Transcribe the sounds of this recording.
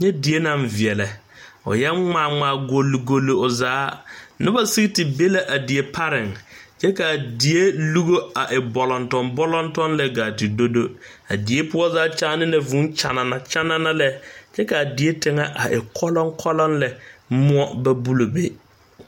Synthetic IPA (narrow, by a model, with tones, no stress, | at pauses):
ɲɛ˦di˨e˦nã˨ɱvɪ˨ɛ˨lɛ˨ | ʊ̰˨jɛ˦ŋ͡maː˨ŋŋ͡mãː˨ɡo˨lːi˨ɡo˨lːi˨ʊ˨zaː˨˦nɪ˦ba˨si˦ɡtɪ˨be˦la˦ʔa˨di˨e˨pʰa˦ɾɪ˨ŋd͡ʒɛ˦ka˨di˨e˦lu˦ɡo˦a˨ʔɪ˨bɔ˨lɔ˨ntɔ̃˨nbɔ˦lɔ˦ntɔ˦nlɛ˦ɡaː˨tɪ˨do˦do˦ | a˨di˨e˦pʊ˦ɔ˦zaː˦t͡ʃaː˦nɪ̃˦nɛ˨vũ˦nt͡ʃa˨na˨na˨t͡ʃa˦na˦na˦lɛ˦d͡ʒɛ˦ka˨di˨e˦tʰɪ˦ŋa˦ʔa˨ʔɪ˨kʰɔ˦lɔ̃˦ŋkʰɔ˦lɔ̃˦nlɛ˨mʊ̃˦ɔ˦bɛ˦bu˦lo˨be˦